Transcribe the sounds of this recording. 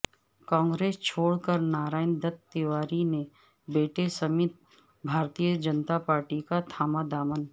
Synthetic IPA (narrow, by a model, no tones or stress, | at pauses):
kãːŋɡɾeːst͡ʃʰoːɽkəɾnaːɾaːɪnd̪ət̪ːɪwaːɾine | beːʈesəmɪt̪̚ | bʱaːɾt̪ijəd͡ʒənt̪apaːɾʈikat̪ʰaːmad̪aːmən